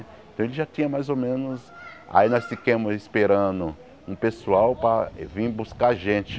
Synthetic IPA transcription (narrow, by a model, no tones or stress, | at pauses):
ẽt̪ɐ̃w̃elɪʒat̪ĩɲɐmajzomẽnʊsa̰inɔsfikẽmʊzispeɾɐ̃d̪ʊ | ũpesuawpɾɐvĩbuskaɾʒẽt͡ʃɪ̥